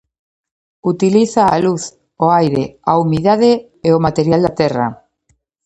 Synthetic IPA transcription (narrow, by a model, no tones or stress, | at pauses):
ut̪iliθaːluθ | oajɾeaumiðaðe | eomat̪eɾjald̪at̪ɛra̰